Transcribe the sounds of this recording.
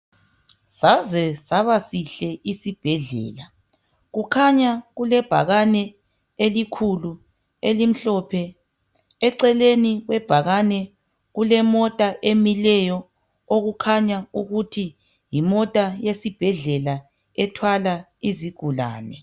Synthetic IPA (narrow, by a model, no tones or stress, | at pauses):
sazɛsaβasiɬɛisib̥ʱɛɮɛ̰ːla | ɣukʰaɲaɣulɛb̥ʱa̰ɣanɛ | elikʰulu | elim̩ɬɔpʰɛ | ɛǀɛleniɣwɛb̥ʱaɣanɛ | ɣulɛmɔtʼaʔemilɛjɔ | oɣukʰaɲauɣutʰi | jimɔtʼajesib̥ʱɛɮɛla | ɛtʰwala | iziɡ̥ʱula̰ːnɛ